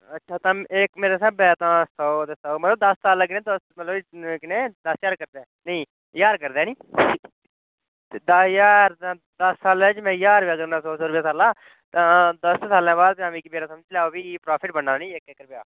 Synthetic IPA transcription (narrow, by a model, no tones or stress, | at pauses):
ətːʃʰaːt̪ãːeːkmeːɾaːsəbɛːt̪ãːsɔːt̪esaːmət̪ləb̚d̪əsːaːlaːk̬ɪnẽːd̪əsmət̪ləbkɪnẽːd̪əsjaːɾkəɾd̪ɛːnəĩː | jaːɾkəɾd̪ɛːnĩː | t̪eːd̪əjaːɾã | d̪əsːaːlɛ̃ːt͡ʃmɛ̃ːjaːɾbaːkəɾnãːsoːsoːɾʊpjaːsaːlaː | t̪ãːd̪əssaːlɛ̃ːbaːd̪̚pãːmĩːkimeːɾaːsəmd͡ʒlaːoːbiːpɾaːpʰɪʈbənaːnĩːekekəɾpjaː